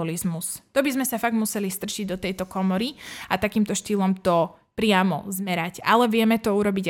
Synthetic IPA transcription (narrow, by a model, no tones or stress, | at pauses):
ɔlizmust̪ɔbizmɛsafaɡ̪̚musɛlist̪r̩ʃiɟd̪ɔt̪ɛjt̪ɔkɔmɔɾiat̪akiːmt̪ɔʃt̪iːlɔmt̪ɔ | pɾɪamɔ̰zmɛɾaca̰lɛʋɪɛmɛt̪ɔuɾɔbiɟ